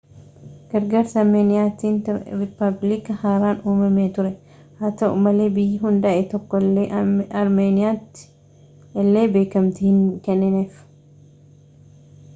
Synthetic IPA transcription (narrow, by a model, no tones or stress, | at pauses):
ɡ̥ɐɾɡɐɾsɐɾmeːnɪjaːt̪iːntɾɪpːɐblɪkɐhaːɾaːnuːmɐmeːt̪ʊɾɛ | haːt̪ɐʊ̰mɐle̞ːbɪjːɪɦʊnd̪ɐʔɛt̪ɔkːɔeɐɾmeːnɪjaːt̪ːɪ̥ | lːe̞ːbe̞ːkɐmt̪ɪhɪŋkɛnːɪneːf